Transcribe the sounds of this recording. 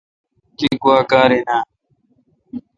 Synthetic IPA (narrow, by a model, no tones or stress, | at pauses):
kiːkʊaːkaːɾeːnaː